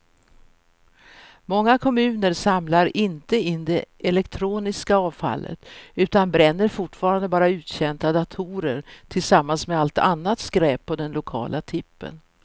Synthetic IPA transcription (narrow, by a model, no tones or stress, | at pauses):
mɔŋːakʰɔmʉ̟ːnəɾsamlaɾɪnt̪əɪnːd̪ɛʔɛlɛkt̪ʰɾuːnɪskaɑːvfa̰lːə̰t̪ʉ̟ːt̪anbɾɛnːəɾfʊʈfɑːɾand̪əbɑːɾaʉ̟ːt̪ɕɛnt̪ad̪at̪ʰuɾəɾt̪ʰɪlsamːansmɛalt̪anːat̪skɾɛːpʰːɔd̪ɛnlʊkʰɑ̰ːlʔat̪ʰɪpːə̰n